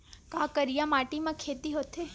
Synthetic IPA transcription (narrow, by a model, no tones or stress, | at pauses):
kakəɾijãmaʈimãkʰet̪iɦot̪ʰe